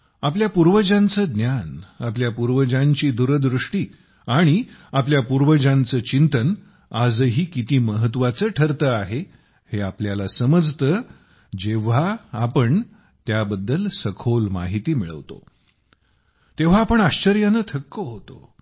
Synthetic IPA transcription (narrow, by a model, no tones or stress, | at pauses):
apljapuɾʋəd͡ʑant͡səːd̪njanapljapuɾʋəd͡ʑaɲt͡ɕiːd̪uɾəd̪ɾuʂʈiː | aɽ̃iapljapuɾʋəd͡ʑãnt͡səːt͡ɕint̪ən | ad͡zəɦiːkit̪iːməɦət̪ʋat͡səːʈʰəɾt̪əaɦe | heapljalasəməd͡zʱt̪əː | d͡ʑeʋ̤aːpəɳ | t̪jabəd̪ːəlsəkʰolma̰ɦit̪iːmiɭə̰ʋt̪o̰ | t̪eʋ̤aːpəɳaɕt͡ɕəɾjanət̪ʰəkːəɦot̪o̰